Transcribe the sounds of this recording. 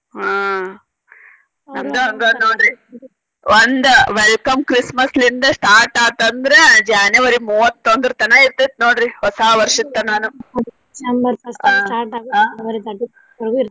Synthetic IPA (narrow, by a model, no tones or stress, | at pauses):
aː | nɐmd̪eɐnd̪onnoːɽɾi | ʋond̪uʋelkɐmkɾismɐslind̪ɐsʈaːɾʈaːʈ̪ɐnd̪ɐɾed͡ʒaːneʋɐɾimuːʋɐt̪ːond̪ɾɐt̪ɐnɐiɾt̪it̪̚noːɽɾihɔsaːʋɐɾʂit̪ːɐnaːnu | ɐmɐɐaʈaːʈaɡaːɐɾid̪ɐɖ | ɐɾ